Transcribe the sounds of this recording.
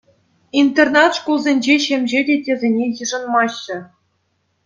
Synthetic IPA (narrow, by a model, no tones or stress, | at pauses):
int̪ʲernɑt̪ʂkulˠzʲenʲd͡ʑeɕemʲʑedʲetʲezʲenʲejɯʐɤ̆nmɑɕːɘ̆